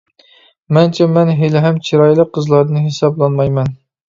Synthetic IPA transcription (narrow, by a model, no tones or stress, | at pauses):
mɛnt͡ʃʰɛmɛnɦelɪɦɛmt͡ʃʰiɾɑjlˠəqʰːəzlˠɑɾd̪ɨnɦesɑblˠɑnmɑjmɛn